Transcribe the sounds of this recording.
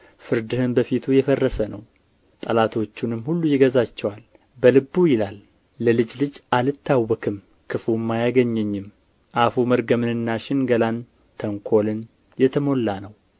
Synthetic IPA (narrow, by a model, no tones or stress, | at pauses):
fɨɾd̪ɨhɨnbəfit̪ʰujɛfərːəsənəw | t̪ʼəlat̪ʰo̞t͡ʃːunɨmːhulːujɪɡəzat͡ʃːɛwal | bəlɨbːujɪlalː | əlɨd͡ʒlɨd͡ʒʔalɨt̪ʰːawːɔkʰɨm | kʰɨfumːajaɡəɲːɛɲːɪm | ʔafuməɾɡəmɨnɨnːaʃɪnɡəlan | t̪ʰəŋkʰo̞lɨn | jɛt̪ʰəmo̞lːanəw